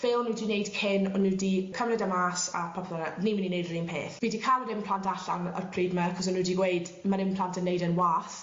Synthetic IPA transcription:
v̥ɪlˠnuwdinejd̥kʰɪnɔnːudikʰəmrɛdamaːsa̰pʰɔpʰlɔnanimɪninejdriːmpʰḛːθviːdikʰalˠɾɪmpʰl̥ˠantʰaɬanə̰rpʰriːdmaakʰɔsɔnːuːdiɡweɨd | maɾɪmpʰl̥ˠantʰənejdənwaːθ

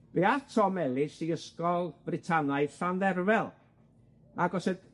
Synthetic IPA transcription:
veatʰɔmɛlˠɪsiəskɔlˠvrɪtʰanaɨθanðɛrvɛlˠ | aɡɔsəd

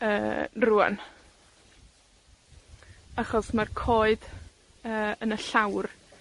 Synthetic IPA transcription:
ə̰ːrua̰n | aχɔsmarkʰoːɨd | əːənəɬawr

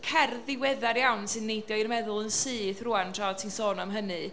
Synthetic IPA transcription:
kʰɛrðɪwɛðaɾjawnsɨnːejdjɔirmɛðʊlˠənsɨːθrʊantʰraɔ̥tʰinsɔːnɔmɦənɨ

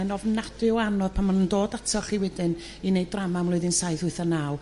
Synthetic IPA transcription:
ɛnɔvnadɨwanɔð̥pʰanmanəndoːdatʰɔχiwɛdɨn | inejdramamlʊɨðɪnsajθʊɨθanaw

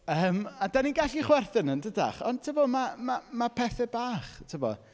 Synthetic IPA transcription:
əːmadaniɡaɬiχwɛrθənəndəda̰χɔnd̚tʰɪbɔmamamapʰɛθɛbaːχtʰɪbɔ̰

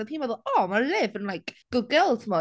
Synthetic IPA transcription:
əpʰiːnvɛðəlɔmalɪvə̃nlˠajkɡ̥ʊd̚ɡəlˠtʰəmɔ

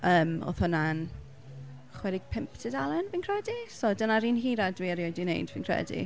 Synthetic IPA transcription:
əːmɔ̰θʊnan | χwɛɾɪɡ̥̚pʰɪmpʰtʰɪdalˠɛnviːnkʰr̥ɛdisɔdənaɾiːnɦiːɾadwiːaɾjodinḛjdviːnkʰr̥ɛ̰dḭ

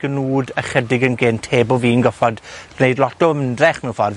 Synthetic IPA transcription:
ɡ̥ənuːdəχədɪɡənɡɪntʰeːbɔviːnɡɔfɔdnejdlˠɔtɔəməndrɛχmɛwnfɔr

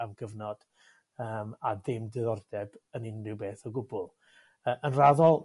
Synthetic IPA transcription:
amɡ̥əvnɔd̥ | əːmaðɪmdɨðɔrdɛbənɪnrɪwbeːθəɡʊbʊlˠ | əːʔənraðɔlˠ

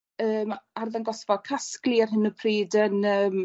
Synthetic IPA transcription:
əːmarðanɡɔsvɔkʰaskliarɦɪnəpʰriːdənəːm

